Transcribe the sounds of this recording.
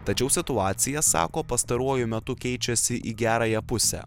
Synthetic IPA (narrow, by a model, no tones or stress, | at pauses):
t̪ɐt͡ʃʲɛʊsʲɪt̪ʊɑːt̪sʲɪjɛsɑ̰ːkoːpɐst̪ɐɾuɔjʊmʲɛt̪ʊkʲɛɪt͡ʃʲɛsʲɪʔiɡʲæːɾɐjɛpʊsʲɛ̰ː